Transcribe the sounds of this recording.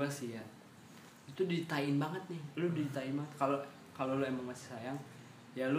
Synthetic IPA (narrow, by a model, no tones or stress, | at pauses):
asija | it̪udit̪aɪnbaŋət̪̚nɪhlʊdit̪aɪnbaŋət̪kalo | kalolʊemaŋmasi̥sajaŋ | jalʊ